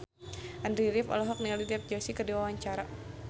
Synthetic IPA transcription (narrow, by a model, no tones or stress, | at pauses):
ʔandɾiɾifɔ̰lɔɦɔk̚nialidɛp̚d͡ʒɔsikərdiwawaɲt͡ʃaɾa